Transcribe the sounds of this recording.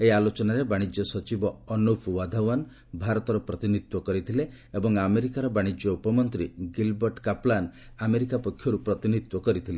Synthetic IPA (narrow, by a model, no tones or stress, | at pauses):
eialot͡ʃɔnaɾebaɽ̃id͡ʒjɔsɔt͡ʃibɔːnupʰwad̪ʱawan | bʱaɾɔt̪ɔɾɔpɾɔt̪init̪wɔkɔɾit̪ʰile | ebɔŋameɾikaɾɔbaɽ̃id͡ʒjɔupɔmɔnt̪ɾiɡilbɔɾʈkaplan | ameɾikapɔkʰːjɔɾupɾɔt̪init̪wɔkɔɾit̪ʰile